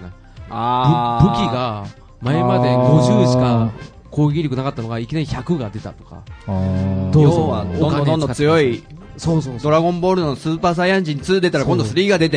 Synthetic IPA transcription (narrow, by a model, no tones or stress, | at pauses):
ḁokʲiɡa | maemad̪e̞ɡo̞ʑɨːɕi̥ka | ko̞ːɡɡʲiɾʲokɯ̟nakat̪ːano̞ɡaikʲinaɾʲiçakɯ̟ɡad̪e̞t̪a̰t̪o̞̥ka̰ | ooanonːot͡sɨjo̞i | sosod̪o̞ɾaɡõ̞mbo̞ːɾɯnosɨːpaːs̬aiãɲd͡ʑiɲ̟ːit͡sɨːd̪e̞t̪aɾakond̪o̞sɨɾʲiːɡad̪e̞t̪e